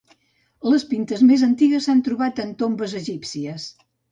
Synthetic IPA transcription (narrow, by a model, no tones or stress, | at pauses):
ləspint̪əzmezənt̪iɣəsːant̪ɾuβat̪ənt̪ombəzəʒipsiəs